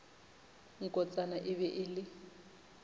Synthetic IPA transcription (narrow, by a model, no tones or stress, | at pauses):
ŋ̩kʼɔt͡sʼanaʔɪβɛʔɪlɪ